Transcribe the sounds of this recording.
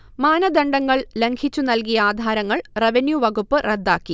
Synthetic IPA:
maːnɐd̪ɐɳɖɐŋːɐɭle̞ŋɡʰʱit͡ɕːunɐlkijɐaːd̪ʱaːɾɐŋːɐɭreʋenjuʋɐɣupːɨred̪ːaːkːi

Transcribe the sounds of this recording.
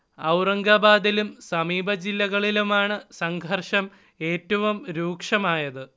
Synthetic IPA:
ɐwrɐŋɡɐbaːd̪ilumsɐmiːbʱɐd͡ʑilːɐɣɐɭilumaːɳɨsɐŋɡʱɐrʂɐm | e̞ːtːɐʋumɾuːkʂɐmaːjɐðɨ

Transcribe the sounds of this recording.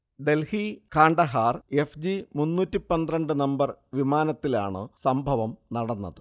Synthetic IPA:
ɖe̞lhikaːɳɖɐɦaːre̞fd͡ʑimunːuːtːipɐnd̪rɐɳɖɨnɐmbɐrʋimaːnɐt̪ːila̰ːɳɨ̰sɐmbʱɐʋɐmnɐɽɐnːɐ̰ðɨ

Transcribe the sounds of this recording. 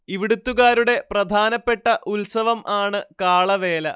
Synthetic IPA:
iʋiɽut̪ːuɣaːɾuɽe̞prɐd̪ʱaːnɐpːe̞ʈːɐʔulsɐʋɐmʔaːɳɨkaːɭɐʋe̞ːlɐ̰

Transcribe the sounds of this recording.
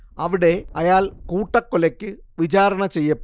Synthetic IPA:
ɐʋiɽe̞ɐjaːlkuːʈːɐkːolɐkʲːɨ | ʋit͡ɕaːɾɐɳɐt͡ɕe̞jːɐpː

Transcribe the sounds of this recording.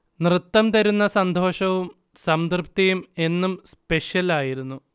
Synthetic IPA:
nrɨt̪ːɐmt̪ɐɾunːɐsɐnd̪ʱo̞ːʂɐʋum | sɐmd̪rɨpt̪ɐjume̞nːumspe̞ʂjɐlaːjiɾunːu

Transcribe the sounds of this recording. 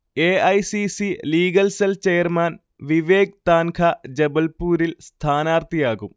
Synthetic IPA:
eːɐjsisiliːɡɐlselt͡ɕejɐrmaːn | ʋiʋeːk̚t̪aːnkʰɐd͡ʑebɐlpuːɾilst̪ʰaːnaːɾt̪ijaːɣum

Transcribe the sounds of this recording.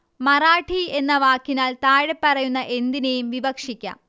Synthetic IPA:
mɐraːʈʰie̞nːɐʋaːkːinaːlt̪aːɻepːɐrɐjunːɐʔe̞nd̪inejumʋibɐkʂikʲːa̰ːm

